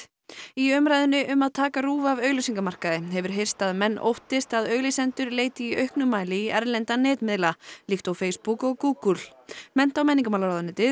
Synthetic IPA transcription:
iœmɾajðɪnʏʔʏmaðt̪ʰaːkaruːvavœːɥɣlʏɥsiŋkamar̥kaðɪɦɛvʏɾ̥ɦejr̥st̪aðmɛnːʔo̰wht̪ɪst̪aðœːɥɣlisɛnt̪ʏɾleːjt̪ɪiʔœɥhknʏmaːjlɪiɛɾlɛnt̪anɛːt̪mɪðlalixt̪awfeːjspukɔɣkuːkul̥ | mɛn̥t̪awmɛnːiŋkʏmawlaɾaːðanɪːt̪ɪ

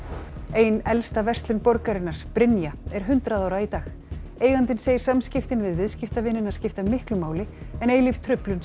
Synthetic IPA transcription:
eːjnɛlst̪avɛr̥st̪lʏnpɔɾkaɾɪnːaɾ̥pɾɪnjaɛɾ̥ɦʏnt̪ɾaðawɾait̪aːx | eːjɣant̪ɪnseːjɪɾ̥samscɪft̪ɪnvɪðvɪðscɪft̪avɪnːɪnaðscɪft̪amɪhklʏmaːwlɪɛneːjlɪv̥t̪ʰɾʏplʏn

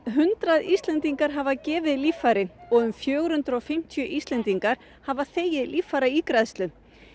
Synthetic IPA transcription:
ɦʏnt̪ɾaðist̪lɛnt̪iŋkaɾ̥ɦavacɛːvɪðliːfaɾɪɔɣʏmfjœːɣɾ̥hʏnt̪ɾɔɣfɪm̥t̪ʰjʏʔist̪lɛnt̪iŋkaɾ̥ | havaθeːjɪðliːfːaɾaikɾaðst̪lʏ

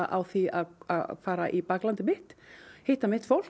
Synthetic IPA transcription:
ʔawθiaðafaːɾaʔipaklant̪ɪmɪht̪hejht̪amɪht̪fowl̥

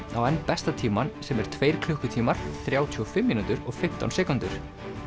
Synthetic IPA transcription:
awɛnːpɛst̪at̪ʰiːmansɛmɛɾ̥t̪ʰveːjɾ̥kʰlʏhkʏt̪ʰiːmaɾ̥θɾjaːwt̪ʰyːɔfɪmːiːnunt̪ʏɾɔɣfɪm̥t̪a̰wnsɛːkʏnt̪ʏɾ̥

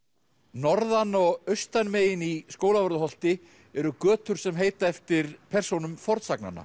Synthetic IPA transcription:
nɔɾðanɔɣœɥst̪anmeːjɪniskoːwlavɔɾðʏɦɔl̥t̪ɪ | ɛɾʏkœːt̪ʏɾ̥sɛmɦeːjt̪aɛft̪ɪɾ̥pʰɛr̥sownʏmfɔɾt̪sakna̰nːa̰

